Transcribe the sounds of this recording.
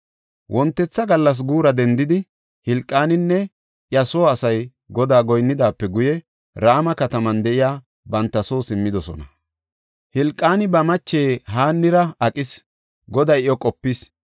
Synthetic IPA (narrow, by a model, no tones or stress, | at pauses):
wʔɔnt̪ːɛt͡sːɐɡɐlːɐs̬ɡuːɾɐd̪ɛnd̪ɪd̪ɪ | hɪlkʼːaːnɪnːɛ | ʔjɐsoːɐsɐj | ɡɔd̪aːɡɔjnːɪd̪aːpːɛɡʊjɛ | ɾaːmɐkɐt̪ɐmɐnd̪ɛʔɪjaː | bɐnt̪ːɐso̞ːsɪmːɪd̪ɔsɔ̰nɐ | hɪlkʼːaːnɪbɐmɐt͡ʃːeːɦaːnːɪɾɐɐkʼɪs | ɡɔd̪ɐjɔkʼɔpːɪs